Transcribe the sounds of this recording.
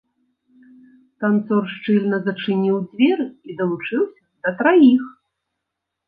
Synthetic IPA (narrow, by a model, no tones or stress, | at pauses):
k̪ant̪sɔrʂt͡ʂɨlʲnɐzɐt͡ʂɨnʲiwd͡zʲvʲɛɾɨid̪ɐlˠut͡ʂɨwsʲɐd̪̥ɐt̪ɾajix